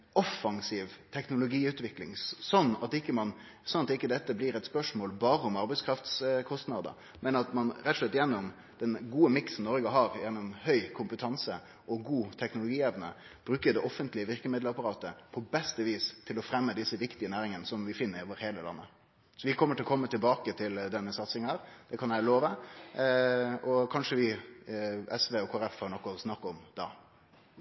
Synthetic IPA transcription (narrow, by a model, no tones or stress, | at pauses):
ɔfːɑŋsiːʋt̪ʰɛknʊlʊɡiːʉːt̪ʋɪklɪ̰ŋsɔnːɑt̪ɪkːəmɑn | sɔnːɑt̪ɪkːəd̪ɛt̪ːəblɪɾɛt̪spœʂmoːlbɑːɾəʊmɑɾbɛɪskʰɾɑft̪skʰɔst̪nɑd̪ə̰ | mɛnɑt̪mɑnɾɛt̪ːɔʂɭɛt̪ːjɛnːʊm | d̪̥ɛnɡuːəmɪksn̩nɔɾɡəɦɑɾjɛnːʊmhœʏkʰʊmpət̪ʰɑnsə | ʔɔɡuːt̪ʰɛknʊlʊɡiːɛʋnə̰ | b̥ɾʉːkəd̪ɛʔɔfːənt̪lɪəʋɪʁkəmɪd̪ləɑpɑɾɑːt̪əpʰɔbɛst̪əʋiːst̪ʰɪlɔfɾɛmːəd̪ɪsːəʋɪkt̪ɪənæːɾɪŋənəsɔmʋɪfɪnːəɾɪoːʋəɾheːləlɑ̰nːə | sɔʋɪkʰɔmːəʈʰɪlɔkʰɔmːət̪ɪlbɑːkət̪ʰɪld̪ɛnːəsɑt̪sɪŋæːɾd̪̥ɛkʰɑnjæɪloːʋə | ɔkʰɑnʂəʋɪ | ɛsʋeɔkʰoːæɾɛfhɑɳɔkːʊsnɑkːɔmd̪ɑ̰